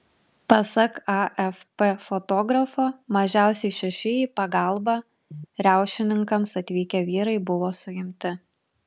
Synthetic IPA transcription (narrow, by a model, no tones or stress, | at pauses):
pɐsɐkɑʔɛfpefot̪oːɡɾɐfoːmɐʒʲæˑʊsʲɛɪʃʲɛʃʲɪjiːpɐɡɐˑlˠˑbɑ | ɾʲæˑʊʃʲɪnʲɪŋkɐmsɐt̪ʲʋʲiːkʲɛʋʲiːɾɐɪbʊʋoːsʊjɪmʲt̪ʲɪ